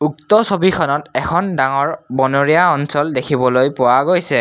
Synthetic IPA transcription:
uktɔsobikʰɔnɔtɛkʰɔndaŋɔɹbɔnoɹiaɔnsɔldekʰibɔlojpʊwaɡojsɛ

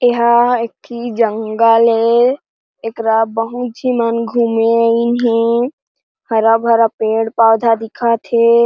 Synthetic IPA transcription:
eɦaek̚tʰid͡ʒəŋɡale | ekɾabəɦut̪̚d͡ʒʱimanɡʱumeəinɦe | həɾabʱəɾapeɽpawd̪ʱad̪ikʰət̪ɦe

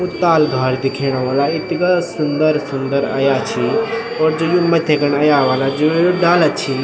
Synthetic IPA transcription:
ut̪aːlɡʱaːɾd̪ɪkʰeːɽ̃aʋaːlaɪt̪ɡasʊnd̪əɾsʊnd̪əɾɐ̰jat͡ʃʰi | ɔːɾd͡ʒojomɐt̪ʰekəɳɐjaʋaːlad͡ʒoojoɖaːlət̪̚t͡ʃʰi

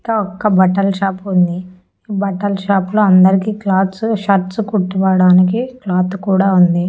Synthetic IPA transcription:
kɐɔkːɐbɐʈɐlʃaːpund̪i | iːbɐʈɐlʃaːploːɐnd̪ɐɾikiːklaːt̪sʃɐɾt̪skuʈːuʋaːɽaːnikiklaːt̪kuːɽaːund̪i

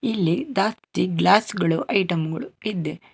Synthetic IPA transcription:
ilːid̪aːst̪iɡlaːsɡɐɭuʔɐjʈɐmɡɐɭuid̪ːe

